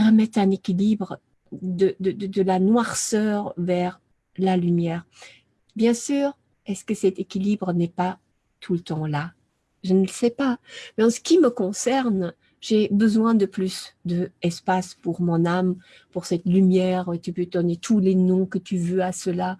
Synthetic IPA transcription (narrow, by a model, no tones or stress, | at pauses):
ʁəmɛt̪ɛ̃nekʲilibʁə | d̪əd̪əd̪əd̪əlanwaʁsœʁvɛʁ | lalymjɛːʁ | bjɛ̃syːʁ | ɛskəsɛt̪ekʲilibʁənɛpa | t̪ʰulət̪ɑ̃la | ʒənələsɛpamɛɑ̃sə̥kʲiməkɔ̃sɛʁn | ʒebəzwɛ̃d̪əplysd̪əɛspaspuʁmɔ̃nam | puʁsɛt̪lymjɛːʁt̪ypød̪ɔnet̪ʰulenɔ̃kət̪yvøasəla